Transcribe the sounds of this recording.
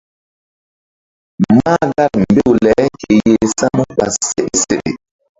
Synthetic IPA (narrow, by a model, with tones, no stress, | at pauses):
ma˦ɡa˦ɾm̩˨be˦˨wlɛ˨˦ke˨je˨sa˦mu˦k͡pa˨sse˦ʔe˨sḛ˨ɗḛ˨